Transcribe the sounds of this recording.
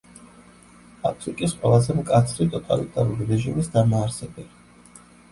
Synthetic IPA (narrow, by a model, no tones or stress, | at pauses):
a̰pʰɾikʼisqʼwɛlˠazɛmkʼat̪sʰɾit̪ʼɔt̪ʼa̰lḭt̪ʼaɾuɾiɾɛʒimisd̪amaːɾsɛbɛli